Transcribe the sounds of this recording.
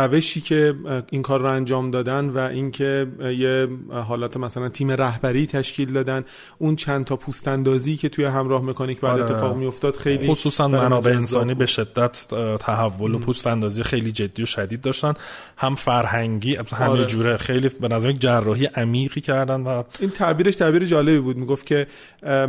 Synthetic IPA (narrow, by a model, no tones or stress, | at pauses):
ɾæve̞ʃiːcʰe̞iŋkʰɒːɾːoænd͡ʒɒːmd̪ɒːd̪ænvæʔincʰejeɦɒːlɒːt̪ʰemæsælænt̪ʰiːme̞ɾæɦbæɾiːt̪ʰæʃciːld̪ɒːd̪æn | ʔunt͡ʃʰænt̪ʰɒːpʰust̪ænd̪ɒːziːcʰe̞t̪ʰujeɦæmɾɒːhme̞kʰɒnicʰbɒjæd̪eːeɒːɣmijo̞ft̪ɒːd̪̥xe̞jliːosuːsænmænɒːbeensɒːniːbe̞ʃe̞d̪ːæt̪ʰt̪ʰæɦævːo̞lopʰust̪ænd̪ɒːzijexe̞jliːd͡ʒe̞d̪ːijoʃæd̪iːd̪ːɒːʃt̪æn | hæmfæɾhæŋɟiːhæmed͡ʒuːɾexejlibenæzæɾmjeked͡ʒærːɒːɦijeʔæmiːʁiːcʰæɾd̪ænd̪væiːnt̪ʰæbiːɾeʃt̪ʰæbiːɾed͡ʒɒːle̞biːbuːd̪miɡo̞fcʰe̞